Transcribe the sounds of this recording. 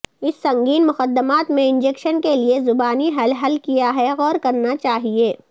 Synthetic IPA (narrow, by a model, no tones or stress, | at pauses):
ɪsːɐ̃ŋɡiːnmʊxəd̪ːəmaːt̪mẽɪ̃nd͡ʒeːkʃənkeliezʊbaːniɦɐlɦɐlkijaɦɛɣɔːɾkɐɾnat͡ʃaːɦieː